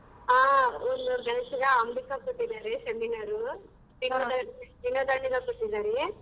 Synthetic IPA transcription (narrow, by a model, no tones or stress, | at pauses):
aːɔnd̪ubɛlsiɡɐːmb̪ikakoʈːid̪aːɾeseminaɾu | inod̪adinoːd̪aːɳiɡɐkoʈːid̪aːɾe